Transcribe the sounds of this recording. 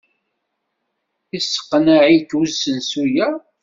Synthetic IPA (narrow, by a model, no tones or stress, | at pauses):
isːə̥qːənaʕijtwuzːənsujæ